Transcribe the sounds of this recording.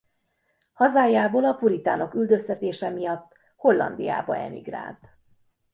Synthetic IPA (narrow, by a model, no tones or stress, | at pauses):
hɒzaːjːaːboːlɒpuɾit̪aːno̞kyld̪øst̪ɛt̪eːʃɛmijɒt̪ː | ho̞lːɒ̰nd̪ḭja̰ːbɒ̰ɛ̰mḭɡra̰ːlt̪